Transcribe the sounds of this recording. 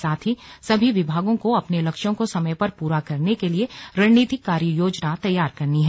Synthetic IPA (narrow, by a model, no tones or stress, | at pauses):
saːt̪ʰɦisɐbʱiʋɪbʱaːɡõkoɐpnelɐkʃjõkosɐməjpɐɾpuːɾakɐɾnekelieɾɐniːt̪ɪkːaːɾjəjoːd͡ʒnat̪ɐjːaːɾkɐɾniɦɛ